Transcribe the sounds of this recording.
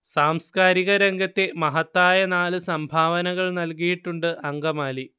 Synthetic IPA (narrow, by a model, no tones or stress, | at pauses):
saːmskaːɾiɣɐɾeŋɡɐt̪ːe̞mɐɦɐt̪ːaːjɐnaːlɨsɐmbʱaːʋɐnɐɣɐɭnɐlkijiʈːuɳɖɨʔɐŋɡɐmaːli